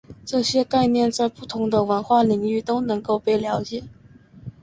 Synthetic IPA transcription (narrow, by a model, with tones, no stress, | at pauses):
ʈ͡ʂɤ˥˩ɕjɛ˥ka˥˧ɪnjɛ˥˧nt͡sa˥˧ɪpu˥˩t̪ʰʊ˧˥ŋd̪ə˧wə˧˥nxwa˥˩li˧˥ŋy˥˩t̪o˥ʊnɤ˧˥ŋko˥˧ʊpe˥˩ɪljɑ˧˥ʊt͡ɕjɛ˨˩˦